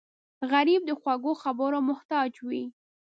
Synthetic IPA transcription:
ɣaɾib̚d̪əxwaɡoxabəɾomʊht̪ɑd͡ʒwi

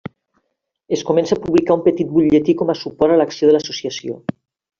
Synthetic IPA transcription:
eskumensapuβlikaumpət̪it̪̚buʎet̪ikɔmasupɔɾaləksioðələsusiəsio̰

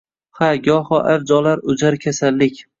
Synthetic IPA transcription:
haɡʲɒhɒʔaɾd͡ʒɒlaɾʊd͡ʒaɾkʲʰasalːɪkʲ

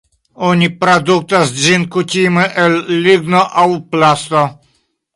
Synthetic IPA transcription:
ɔɲipɾad̪uk̚t̪asd͡ʒinkut̪ʲiməʔelːiɡnoʔawplast̪o

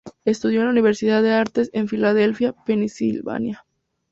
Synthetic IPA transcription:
e̞st̪uð̞jolauniβe̞ɾsiðaðe̞aɾt̪ese̞ɱfilað̞e̞lfjape̞nisilβa̰nja

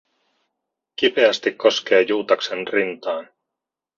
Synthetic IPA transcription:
kipe̞æst̪ikkːo̞ske̞ːjuːt̪ɑkse̞nrint̪ɑːn

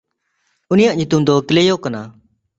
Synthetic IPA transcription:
unijaʔɲut̪umd̪ɔkilejɔkana

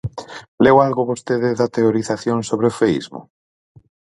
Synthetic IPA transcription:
lewalɣoβost̪eðɪðɐt̪eoɾiθaθjoŋsoβɾeofeḭzmʊ̰

